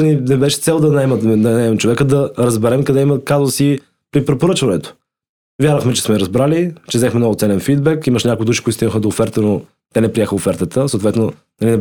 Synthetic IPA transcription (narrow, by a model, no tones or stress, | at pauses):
ninɛbɛʃɛ̥t̪sɛlˠd̪ɐnaɛmət̪d̪anɛmɛmt͡ʃovɛkəd̪ɐɾɐzbɛɾɛmkəd̪ɛiməkazvəsi | pɾipɾɛpoɾɤt͡ʃvɐnɛt̪o̥ | vʲjaɾvəxmɛt͡ʃɛ̥smɛɾɐzbɾalit͡ʃɛzɛxmɛnɔvʊt̪sɛlɛnfid̪bɛkiməʃɲʲakoʊid̪uʃi̥koʊt̪st̪inəxəd̪oːfɛɾt̪əno | t̪ɛnɛpɾiɛxəofɛɾt̪ət̪əsoːt̪vɛt̪no | nɐlinɛ